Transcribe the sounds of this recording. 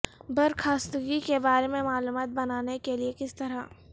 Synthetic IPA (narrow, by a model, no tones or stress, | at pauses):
bɐɾkʰaːst̪əɡikebaːɾemẽmaːluːmaːt̪̚bɐnaːnekeliekɪst̪ɐɾa